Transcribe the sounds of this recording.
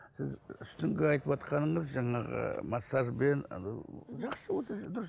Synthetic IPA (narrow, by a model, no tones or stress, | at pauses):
sɪzʏst̪ɪŋɡʲeɑjt̪əpɑt̪qʰɑnəɴəzʒɑɴɑʁə̰mɑsːɑʒben | ʒɑqsəwot̪d̪ʊɾə